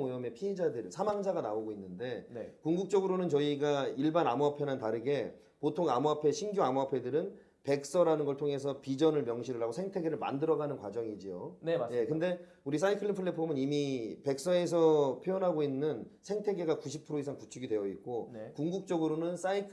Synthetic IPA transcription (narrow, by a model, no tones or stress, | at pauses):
ojʌme̞pʰied͡ʑadɯɾɯɭsʰamaŋd͡ʑaɡanaoɡoinːɯnde̞kuŋɡuk̚t͡ɕ͈ʌɡɯɾonɯnt͡ɕʌiɡaiɭbanamuapʰe̞nantaɾɯɡe̞ | potʰoŋamuapʰe̞ɕʰinɡjoamuapʰe̞dɯɾɯn | pe̞k̚s͈ʌɾanɯnɡʌɭtʰoŋe̞s̬ʰʌpid͡ʑʌnɯɭmjʌŋɕʰiɾɯɾaɡosʰe̞ŋtʰe̞ɡe̞ɾɯɭma̰ndɯɾʌɡanɯnkwad͡ʑʌŋid͡ʑijonje̞kɯnde̞ | uɾis̬͈ʰaikʰɯɭːipʰɯɭːepʰomɯnimipe̞k̚s͈ʌe̞s̬ʰʌpʰjojʌnɦaɡoinːɯnsʰe̞ŋtʰe̞ɡe̞ɡakuɕʰipʰɯɾois̬ʰaŋkut͡ɕʰuɡidwe̞jʌik͈onkuŋɡuk̚t͡ɕ͈ʌɡɯɾonɯns͈aikʰ